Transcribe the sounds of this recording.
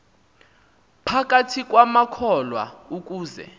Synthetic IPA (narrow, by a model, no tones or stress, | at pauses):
pʰak̬ʼatʰik̬ʼwamakʰɔlwa̰uk̬ʼuːzɛ̰